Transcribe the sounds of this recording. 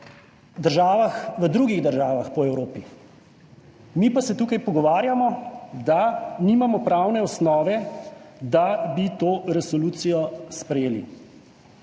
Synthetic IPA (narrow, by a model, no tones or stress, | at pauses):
d̪əɾʒaːʋaxʋəd̪ɾuːɡiɣd̪əɾʒaːʋaxpɔɛwɾoːpi | mipasɛt̪uːkajpɔɡɔʋaːɾjamɔd̪aniːmamɔpɾawnɛɔsnɔːʋɛd̪abit̪oːɾɛsɔluːt̪sijɔspɾɛjeːlḭ